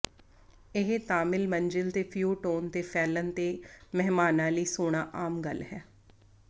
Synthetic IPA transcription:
ɪɦt̪aːmɪlməɲd͡ʒɪlt̪eːpʰjuːʈoːnt̪eːfʰɛːlənt̪eːmɛɦmaːnãːləiːsoːɽ̃aːʔaːmɡəlɦɛː

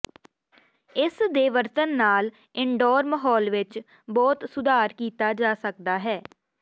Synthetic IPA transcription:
ɪsd̪eːʋəɾt̪ənːaːl | ɪɳɖɔːɾməɦɔːlʋɪt͡ʃ | bɔːt̪sʊd̪aːɾkiːt̪aːd͡ʒaːsək̚d̪aːɦɛː

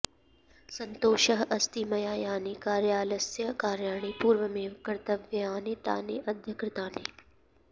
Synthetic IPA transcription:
sɐ̃nt̪oːʃɐɦɐst̪imɐjaːjaːniːkaːɾjaːlɐsjɐkaːɾjaːɳ̃iːpuːɾʋəmẽːkɐɾt̪ɐʋjɐaːneːt̪a̰ːneːʔɐd̪ʱjɐkɾɪt̪aːnḛː

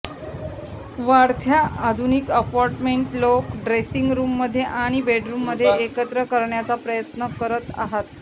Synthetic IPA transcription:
ʋaɾt̪ʰjaʔːd̪ʱunikəpɔɾʈmeɳʈlokɖɾesiŋɡɾuːmːəd̪ʱːjeʔaɽ̃ibeɖɾumːəd̪ʱːjeekət̪ɾəkəɾɳjat͡sapɾəjət̪nəkəɾət̪a̰ɦat̪

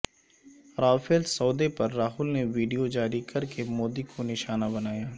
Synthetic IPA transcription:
ɾaːfelsɔːd̪epɐɾːaːɦʊlneʋiːɖijod͡ʒaːɾikɐɾkemoːd̪ikʰonɪʃaːnabɐnaːjaː

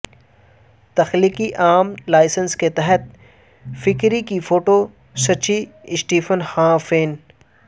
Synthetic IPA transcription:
t̪ɐxliːkiʔaːmlaːɪsənsket̪ɛɦət̪̚ | fɪkɾikifoːʈo | sɐt͡ʃiɪsʈiːfənhãːfeːn

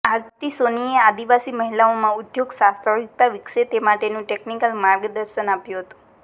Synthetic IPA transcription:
aɾt̪isoniead̪iʋasiməɦilaomãud̪joɡsãst̪ʰəʋik̚t̪aʋikset̪emaʈenũʈeknikəlmaɾɡd̪əɾʃənapjũɦət̪ũ̥

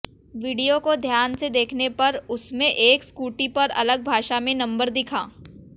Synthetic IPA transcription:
ʋiːɖijokod̪ʱjaːnsed̪eːkʰnepɐɾʊsmẽʔeːkskuːʈipɐɾɐ̰ləɡ̚bʱaːʃamẽnɐ̃mbəɾd̪ɪkʰa̰ː

